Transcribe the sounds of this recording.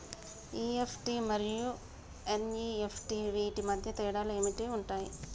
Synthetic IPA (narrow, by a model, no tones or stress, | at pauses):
iːefʈimɐɾiju | eniefʰʈiʋiːʈːimɐd̪ʱjɐt̪eːɽaːlɐimiʈːeuɳʈaːjḭ